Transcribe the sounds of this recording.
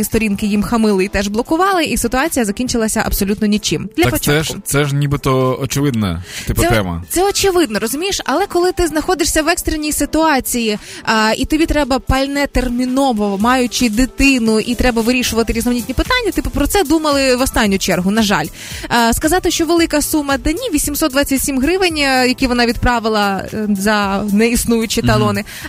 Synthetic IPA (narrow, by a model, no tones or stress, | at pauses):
ist̪ɔɾʲinkɪjimxɐmɪlˠɪit̪ɛʒblˠɔkʊʋɑlˠɪʔisɪt̪ʊɑt͡sʲijɐzɐkʲinʲt͡ʃɪlˠɐsʲɐʔɐ̰bsɔlʲut̪nɔnʲit͡ʃɪmd̪lʲɐpɔt͡ʃɛʃt̪sɛʒnʲibɪt̪ɔɔt͡ʃɪʋɪd̪̚nɛ̰t̪ɪp̪ɛt̪ɛmɐ̰t̪sɛɔt͡ʃɪʋɪd̪̚nɔɾɔzʊmʲijɪʃɐ̰lˠɛkɔlˠɪt̪ɪznɐxɔd̪ɪʂsʲɐʋɛkst̪ɾenʲijsɪt̪ʊɑt͡sʲiji | it̪ɔbʲit̪ɾɛbɐpɐlʲnɛt̪ermʲinɔʋɔmɑjʊt͡ʃɪd̪ɪt̪ɪnʊʔit̪ɾɛbɐʋɪɾʲiʃʊʋɐt̪ɪɾʲizɔʋnʲit̪ʲnʲipɪt̪ɑnʲːɐt̪ɪpʊpɾɔt̪sɛd̪umɐlˠɪʋɔst̪ɑnʲːʊt͡ʃɛrɦʊnɐʒɑ̰lʲ | skɐzɑt̪ɪʃt͡ʃɔʋelˠɪkɐsumɐd̪ɐnʲiʋʲisʲimsɔt̪̚d̪ʋɑt͡sʲːɐtʲsʲimɦɾɪʋɪnʲjɐkʲiʋɔnɑʋʲid̪̚pɾɑʋɪlˠɐzɐnɛisnujʊt͡ʃɪt̪ɐlˠɔnɪ